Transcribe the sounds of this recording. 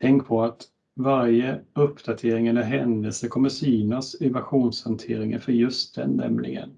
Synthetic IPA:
t̪ʰɛŋkpʰɔat̪ | vaɾjəɵpːd̪̥at̪ʰeːɾɪŋənɛɦɛnd̪əlsəkʰɔmːəsyːnasɪvæɾɧuːnshant̪ʰeːɾɪŋə̰nfœɾjɵst̪̚d̪ɛ̰nːɛ̰mlɪ̰ɡə̰n

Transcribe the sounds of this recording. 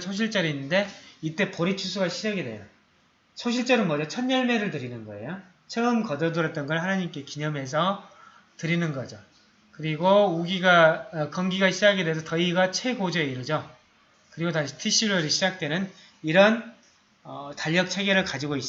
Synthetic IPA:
sʰoɕ̬ʰiɭt͡ɕ͈ʌɾiinːɯnde̞it͈e̞poɾit͡ɕʰusʰuɡaɕʰid͡ʑaɡide̞̰jo | sʰoɕʰiɭt͡ɕ͈ʌɾɯnmʌd͡ʑʌt͡ɕʰʌnɲʌɭme̞ɾɯɭtɯɾinɯnɡʌe̞̰jo | t͡ɕʰʌɯmkʌdʌdɯɾʌt̚t͈ʌnɡʌɭhanaɲimk͈e̞kiɲʌme̞s̬ʰʌ | tɯɾinɯnɡʌd͡ʑo | kɯɾiɡouɡiɡakʌŋɡiɡaɕʰid͡ʑaɡides̬ʰʌtʌiɡat͡ɕʰe̞ɡod͡ʑʌeiɾɯd͡ʑo | kɯɾiɡotaɕʰi̥tʰiɕ͈ʰiɾʌɾiɕʰid͡ʑak̚t͈we̞nɯn | iɾʌn | ʌtaʎːʌk̚t͡ɕʰe̞ɡeɾɯɭkad͡ʑiɡois͈

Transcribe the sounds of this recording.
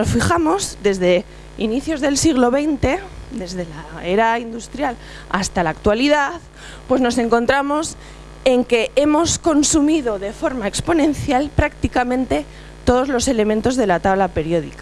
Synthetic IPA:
nosfixamo̞zðe̞zðe̞ | iniθjo̞zðe̞lsiɣlo̞βe̞jnt̪e̞d̪e̞zðe̞lae̞ɾaind̪ust̪ɾjal | a̰st̪alaːk̚t̪waliðaθ | pwe̞zno̞se̞ŋko̞nt̪ɾamo̞s | e̞ŋke̞e̞mo̞sko̞nsumiðo̞ðe̞fo̞ɾmaekspo̞nẽ̞nθjalpɾakt̪ikamẽ̞nt̪e̞ | t̪o̞ð̞o̞zlo̞se̞le̞mẽnt̪o̞zðe̞lat̪aβlape̞ɾjo̞ðḭka

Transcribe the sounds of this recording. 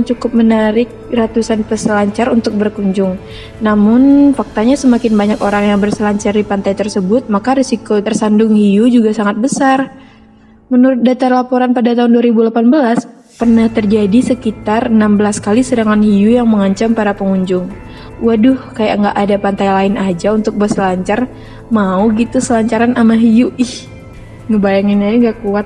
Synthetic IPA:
nt͡ʃukʊp̚mənaɾɪk̚rat̪usanpəsəlaɲt͡ʃaɾunt̪ʊk̚bərkuɲd͡ʒʊŋ | namʊnfak̚t̪aɲasəmakɪnbaɲakoɾaŋjaŋbərsəlaɲt͡ʃardipant̪ajt̪ərsəbʊt̪̚makaɾisikot̪ərsandʊŋhijud͡ʒuɡasaŋat̪̚bəsar | mənuɾʊt̪̚dat̪alapoɾanpadat̪aunduaɾibulapanbəlas | pərnaht̪ərd͡ʒadisəkit̪arənambəlaskalisədaŋanhijujaŋməŋaɲt͡ʃampaɾapəŋuɲd͡ʒʊŋ | wadʊhkajaʔŋɡaʔːdapant̪ajlaɪnad͡ʒaunt̪ʊk̚bərsəlaɲt͡ʃar | mauɡit̪usəlaɲt͡ʃaɾanamaɦijuɪh | ŋəbajaŋɪnaaŋɡakuat̪̚

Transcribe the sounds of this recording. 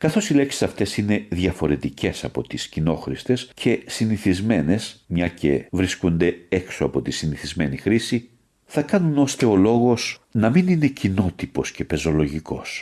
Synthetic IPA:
kɐθo̞sile̞ksi̥sɐft̪e̞sine̞ðjɐfo̞ɾe̞t̪ice̞sɐpo̞t̪iscino̞xɾist̪e̞scʰe̞siniθizme̞ne̞smɲɐce̞̰vɾiskund̪e̞ekso̞ɐpo̞t̪isiniθizme̞nixɾisi | θɐkɐnuno̞st̪e̞o̞lo̞ɣo̞snɐminine̞cino̞t̪ipo̞sce̞pe̞zo̞lo̞ʝiko̞s

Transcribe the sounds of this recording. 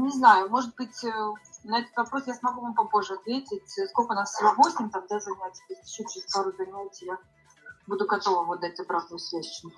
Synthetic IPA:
nʲɪznajʊmo̞ʐɨd̪̚bɨtʲnɐɛt̪ə̥t̪vɐpɾo̞sjasmɐɡuvampɐpo̞ʐɨɐt̪vʲetʲɪtʲskolʲkənasvɐbosʲɪmt̪amd̪azɐnʲat̪ʲsʲə̥t̪osʲt̪ʲɪɕːot͡ɕːɪsp̪aɾʊzɐnʲatʲja | bud̪ʊɡɐt̪o̞vəvod̪ːatʲɐbɾavd̪əjʊsvʲæt͡ɕɪnʊ

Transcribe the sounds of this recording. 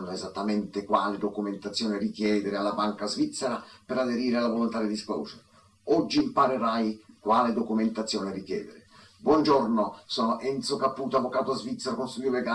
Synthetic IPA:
nːoɛzat̪ːamɛnt̪ɪkwaːlɪd̪okument̪at̪sːjɔːnɪrikjɛːd̪ɪɾɪalːabaŋkazvit̪sːeɾapɪɾad̪eɾiːɾɪalːavolont̪ad̪ɪd̪ispɔ̰ːse | ɔd͡ʒːiːmpaɾeɾajkwaːlɪd̪okument̪at̪sːjɔːnɪrikjɛ̰ːd̪ɪɾɪ | bwɔnd͡ʒɔrnosɔːnoʔɛnt̪sʊkapːuːt̪oavːokaːt̪oazvit̪sːeɾokonst̪ud̪joveɡa

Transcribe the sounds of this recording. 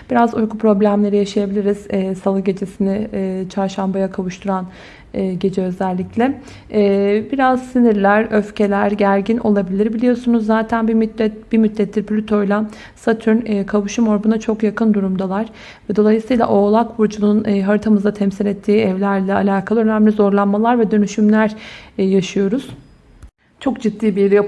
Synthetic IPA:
b̥iɾazujkʰupɾo̞blʲæmlʲe̞ɾijaʃajabilʲiɾiz̥salˠɯɟe̞d͡ʒesinɪt͡ʃʰaɾʃambajakʰavuʃt̪ʰuɾanː | ɟe̞d͡ʒɛø̞zælʲːiclʲɛː | biɾaz̥siniɾlʲæɾøfce̞lʲæɾɟæɾɟinʔo̞̰lˠabilʲiɾbilʲijo̞sunuzːaːt̪ʰænbimɛb̥imyt̪lʲːɛt̪ʰːʲiɾpʰlʲyt̪ʰo̞jlʲˠa | sat̪ʰynːkʰaβuʃumo̞ɾbunat͡ʃʰo̞kjakɯnd̪uɾumd̪alˠaɾ̥ | vɛd̪o̞lˠajɯsɯjlˠa̰ʔo̞ːlˠakbuɾd͡ʒununɦaɾɯt̪ʰamɯzat̪ʰɛmsilʲɛt̪ʰːiːɛvlʲæɾlʲɛa̰lʲaːkʰalˠɯønæmlʲizo̞ɾlˠanmalˠaɾvɛd̪ønyʃymlʲæɾ̥jaʃɯjo̞ɾuz̥ | t͡ʃʰo̞kd͡ʒit̪ːiːbiɾija

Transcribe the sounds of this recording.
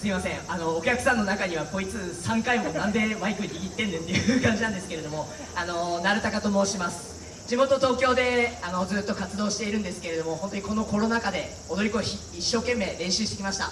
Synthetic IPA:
sɨimasẽ̞ŋano̞ːkʲakɯ̟̥sãnːo̞nakaɲ̟iβako̞it͡sɨːsãŋkaimonãnd̪e̞maikɯ̟iiɡʲit̪ːend̪ẽt̪e̞jɯkãɲ̟d͡ʑinãnd̪e̞sɨ̥ke̞ɾe̞d̪o̞mo̞ | ano̞naɾɯt̪akat̪o̞mo̞ɕimasɨ̥ | d͡ʑimo̞t̪ot̪o̞ːkʲo̞ːd̪e̞ano̞d͡zɨːt̪ːo̞kat͡sɨd̪o̞ːɕi̥t̪e̞iɾɯ̟̃nd̪esɨ̥ke̞ɾe̞d̪o̞mo̞ho̞nt̪oɲiko̞no̞ko̞ɾo̞nakad̪e̞ | od̪oɾʲiko̞çiːɕːo̞ːke̞mːe̞ːɾẽ̞ɰ̃ɕɨːɕi̥t̪e̞kʲimaɕi̥t̪a̰

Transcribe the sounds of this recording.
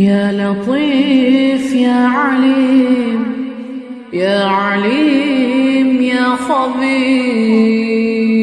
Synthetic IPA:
jaːlɑt̪ˤiːfjaːʕalim | jaːʕaliː | mjaːxɑbiː

